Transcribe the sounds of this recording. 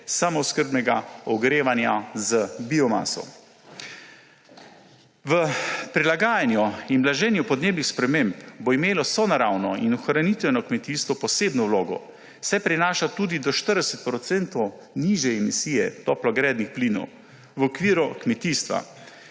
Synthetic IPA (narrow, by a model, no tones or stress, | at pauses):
samɔskəɾbnɛɡaɔɡɾeːʋanjazəbiɔma̰ːsɔ̰ | ʋəpɾilaɡaːjanjɔinblaʒɛːnjupɔd̪neːbnixspɾɛmempboimeːlɔsɔnaɾaːwnɔinɔxɾanit̪ʋɛnɔkmɛt̪iːst̪ʋɔpɔseːbnɔwloːɡɔ̰ | sɛpɾinaːʃat̪uːd̪id̪ɔʃt̪əɾd̪ɛsɛt̪̚pɾɔt̪sɛnt̪ɔw | niʒjɛɛmisiːjɛt̪ɔːplɔɡɾɛːd̪nixpliːnɔ̰w | ʋɔkʋiːɾɔkmɛt̪iːst̪ʋa̰